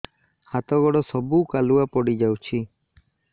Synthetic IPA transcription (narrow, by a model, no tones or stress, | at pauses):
hat̪ɔɡɔɽɔsɔbukaluapɔɽid͡ʒawt͡ʃʰi